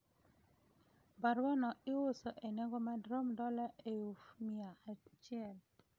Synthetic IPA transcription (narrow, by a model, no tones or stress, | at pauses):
baɾwanɔɪwosoʔenɛɡɔmadɾomdɔlaʔeufmiaːt͡ʃɪɛl